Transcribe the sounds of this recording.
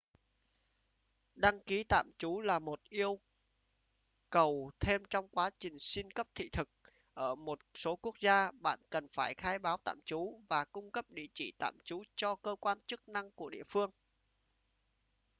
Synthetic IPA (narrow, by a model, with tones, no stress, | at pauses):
ɗa˧ŋki˨˦t̪a̰ː˧˨mt͡ɕu˨˦laː˨˩mo˨˩t̚ʔi˧əw | kə˨˩wt̪ʰe˧mt͡ɕɔ˧wŋ͡mkwaː˨˦t͡ɕï˨˩ŋ̟si˧nkə˦˥p̚t̪ʰḭ˧˨t̪ʰɨ˨˩k̚ | ʔəː˧˩mo˨˩t̚so˨˦ku˦˥ək̚zaː˧ɓa̰ː˧˨nkə˨˩nfaː˧˩jxaː˧jɓaː˨˦wt̪a̰ː˧˨mt͡ɕu˨˦vaː˨˩kʊ˧ŋ͡mkə˦˥p̚ɗḭ˧˨t͡ɕḭ˧˩t̪a̰ː˧˨mt͡ɕu˨˦t͡ɕɔ˧kəː˧kwaː˧nt͡ɕɨ˦˥k̚na˧ŋku˧˩əɗḭ˧˨əfɨ˧əŋ